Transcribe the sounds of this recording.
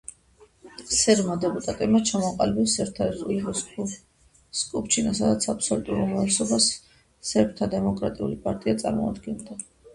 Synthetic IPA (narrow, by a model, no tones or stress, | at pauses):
sɛɾmad̪ɛpʼut̪ʼat̪ʼɛbmat͡ʃʰamɔaqʼalɛbɛsɛɾt̪ʰaɛzuli | skʼupt͡ʃʰinasad̪at̪sʰapʰsɔlut̪ʼuɾumɾavlɛsɔbas | sɛpʰt̪ʰad̪ɛmɔkʼɾat̪ʼiṵlipʼaɾt̪ʼiat̪sʼa̰ɾmɔ̰a̰d̪ɡɛnd̪a